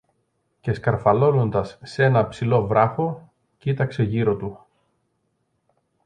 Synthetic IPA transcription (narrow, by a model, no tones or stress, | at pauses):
ce̞skɐɾfɐlo̞no̞nd̪ɐsːe̞nɐpsilo̞vɾɐxo̞ | cit̪ɐkse̞ʝiɾo̞t̪u